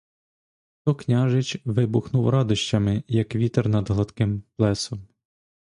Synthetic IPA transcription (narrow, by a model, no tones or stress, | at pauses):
t̪ɔknʲɑʒɪt͡ʃʋɪbʊxnuwɾɑd̪ʊʃt͡ʃɐmɪjɐkʋʲit̪ɛrnɐd̪ɦlˠɐt̪kɪmplˠɛsɔm